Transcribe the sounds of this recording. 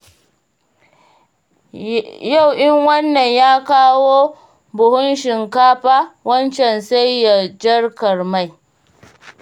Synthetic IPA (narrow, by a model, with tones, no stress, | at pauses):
ja˦˨wʔɪ˦ŋwɐ˦nːɐ˨ɲjaː˦kaː˦woː˦ | bʊ˨hʊ˦nʃɪ˨ŋkaː˦ɸaː˦wɐ˦nt͡ʃɛ˨nsa˦jːa˨d͡ʒɐ˦rkɐ˨rma˦˨j